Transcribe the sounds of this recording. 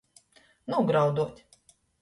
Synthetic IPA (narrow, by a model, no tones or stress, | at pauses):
nuɡɾawd̪uɔt̪ʲ